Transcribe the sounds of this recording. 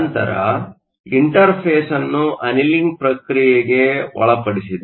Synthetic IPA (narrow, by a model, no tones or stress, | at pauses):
nt̪ɐ̰ɾɐ̰ | iɳʈɐɾpʰeːsɐnːuʔɐniliŋɡpɾɐkɾijeɡe̞ʋɔ̰ɭɐpɐɽisid̪